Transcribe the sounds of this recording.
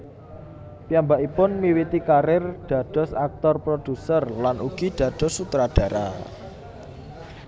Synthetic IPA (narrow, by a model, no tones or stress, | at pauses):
pijambaʔipʊnmiwit̪ikaɾɪrɖ̥a̤ɖ̥ɔ̤sak̚t̪ɔrpɾod̥ṳsərlanṵɡ̥iɖ̪̥ä̤d̪̥ɔ̤sːut̪ɾaɖ̥a̤ɾa̰